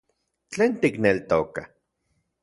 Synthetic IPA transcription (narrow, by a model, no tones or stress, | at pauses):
t͡ɬeːnt̪iknelt̪oka